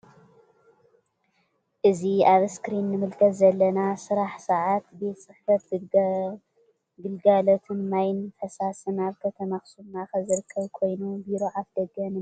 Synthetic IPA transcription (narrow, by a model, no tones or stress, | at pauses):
ʔɨziaβskɾinːɨmɨlkʰɐt̪zɐlːɐnasɨɾaħsɐʕat̪be̞t̪sɨħfɐt̪ | ɡɨlɡalot̪ʰɨnmajnħɐsasɨnaβkʰɐt̪ʰɐnɐxsunaxɐzɨɾɨkʰːɐβkʰo̞jnubiɾo̞ʕafd̪ɐɡɐnɨ